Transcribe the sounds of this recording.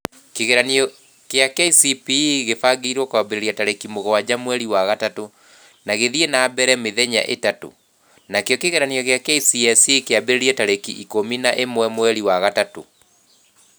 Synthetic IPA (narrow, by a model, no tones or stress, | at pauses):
keɣeɾaniɔ | keakɛisipiɣefaɡeiɾwɔkwabeɾeɾiataɾekimoɣɔwad͡ʑamwɛɾiwaɣatato | naɣeðienaːbɛɾɛmeðɛɲa̰ʔetato̰ | nakejɔkeɣeɾaniɔɣejakɛisiɛsikeabeɾeɾiɛtaɾekiʔikominaʔemwɛmwɛɾiwaɣatato̰